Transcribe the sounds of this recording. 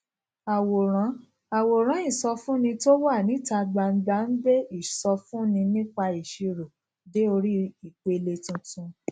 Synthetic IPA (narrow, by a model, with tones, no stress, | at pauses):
a˨wo˨ɾ̃ã˨˦ | a˨wo˨ɾ̃ã˨˦i˦˨sɔ˧fũ˦nĩ˧to˦wa˦˨nĩ˨˦ta˧ɡ͡ba˧n̩˦ɡ͡ba˧˦n̩˦be˦i˦˨sɔ˧fũ˦nĩ˧nĩ˦k͡pa˧i˨ʃi˧ɾo˨ | de˨˦o˧ɾi˦i˨k͡pe˨˧le˧tũ˧tũ˧